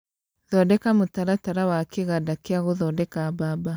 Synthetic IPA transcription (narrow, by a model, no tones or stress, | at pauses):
ðɔdɛkamotaɾataɾawakeɣadakeaɣoðɔdɛkababa